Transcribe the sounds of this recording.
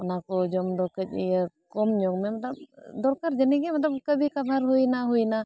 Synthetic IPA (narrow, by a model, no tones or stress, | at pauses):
ɔnakɔd͡ʒɔmd̪ɔkəc̚ˀijə | kɔmɲɔŋmɛmat̪lab̚d̪ɔɾkaɾd͡ʒəniɡɛmat̪lab̚kəbʱikabʱaɾɦujnaɦujna